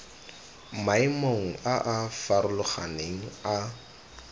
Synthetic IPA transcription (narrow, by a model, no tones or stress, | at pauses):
maimoŋ̩ʔaʔafaɾʊlʊχa̰neŋ̩a